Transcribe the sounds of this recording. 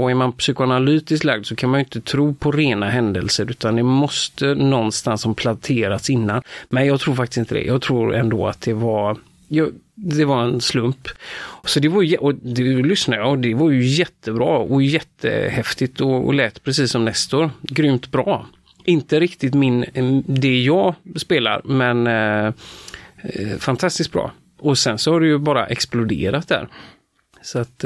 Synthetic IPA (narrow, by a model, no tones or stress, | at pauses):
ɔæɾmanpsyːkʊanalyːt̪ɪsk̪laɡd̪sɔkʰanmanjʏɪnt̪ət̪ʰɾuːpʰɔɾeːnaɦɛnd̪ə̰lsəɾʉ̟ːt̪and̪ɛmɔst̪ənɔnːst̪ansɔmpʰlat̪ʰeːɾat̪sɪnːanmɛnjɑːɡt̪ʰɾuːɾfakt̪ɪ̥st̪ɪnt̪əd̪ɛ̰jʔɑːɡ̚t̪ʰɾuːɾɛ̰nd̪o̰ːa̰t̪̚d̪ɛvaɾ | jɑːd̪ɛvaɾɛnslɵmpsɔd̪ɛvaɾjjɛʔɔd̪ɛlʏsnajaɔd̪ɛvaɾjɵjɛt̪ʰːəbɾɑːɔjjɛt̪ʰːə̰hɛft̪ɪt̪ɔ̰lɛːt̪pʰɾɛsiːsːɔmnɛst̪oːɾɡɾymt̪bɾɑː | ɪnt̪əɾɪkt̪ɪt̪mɪnd̪ɛjɑːɡspeːla̰ɾmɛn | fant̪ʰast̪ɪsk̪̚bɾɑ̰ː | ɔsɛnsɔhaɖɛjɵbɑːɾa̰ʔɛksplʊd̪ḛːɾat̪̚d̪æ̰ːɾ | sɔat̪